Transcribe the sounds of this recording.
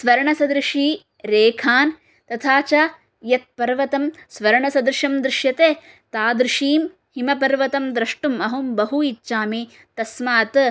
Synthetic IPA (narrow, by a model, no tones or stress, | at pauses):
sʋɐɾɐɳɐsɐd̪ɾɪʂiː | ɾeːkʰaːn | t̪ɐt̪ʰaːt͡ʃaː | jɐt̪̚pɐɾʋɐt̪ɐmsʋɐɾɐɳɐsɐd̪ɾɪʃɐmd̪ɾɪʃjɐt̪eː | t̪aːd̪ɾɪʃiːm | himɐpɐɾʋɐt̪ɐmd̪ɾɐʂʈumɐɦumbɐɦuitːʃaːmiː | t̪ɐsmaːt̪